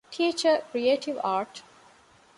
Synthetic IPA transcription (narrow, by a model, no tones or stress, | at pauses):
ʈʰiːt͡ʃəkɾieːʈiʋaːɾʈ